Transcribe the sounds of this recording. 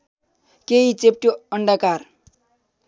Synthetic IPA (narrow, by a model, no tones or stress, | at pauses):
keit͡sep̚ʈjoʌɳɖakaɾ